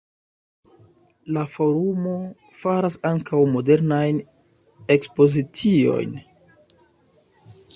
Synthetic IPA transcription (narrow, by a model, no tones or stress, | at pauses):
lafo̞ɾumo̞ | faɾasaŋkʰawmo̞de̞ɾnajn | e̞kspo̞zit͡sio̞̰jn